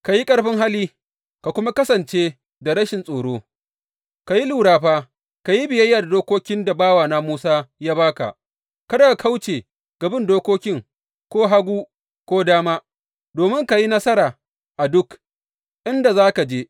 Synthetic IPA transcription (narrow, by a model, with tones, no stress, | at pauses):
ka˨ji˦kʼɐ˦ɽɸɪ˦ŋɦa˦liː˦ | ka˨kʷʊ˦ma˦kɐ˦sɐ˨nt͡ʃe˦ | da˨ɾɐ˦ʃɪ˨nsʼoː˨ɽoː˦ | ka˨ji˦luː˨ɽaː˨ɸaː˦ | ka˨ji˦bɪ˨jɐ˦jːaː˨da˨doː˦koː˦kʲɪ˦nda˨baː˦waː˨naː˦muː˦saː˦jaː˦baː˦ka̰˨ʔ | ka˦da˦ɡa˨kʰa˦wt͡ʃeː˨ | ɡ̥ɐ˨bɪ˦˨ndoː˦kʷoː˦kʲɪ˦ŋ | kʷoː˦ɦa˦ɡʷuː˦ | kʷoː˦daː˦maː˦ | doː˨mɪ˦ŋka˨ji˦nɐ˦sɐ˦ɾaː˨ | ʔa˨dʊ˦k | ʔɪ˦nda˨zaː˦ka˨d͡ʒeː˦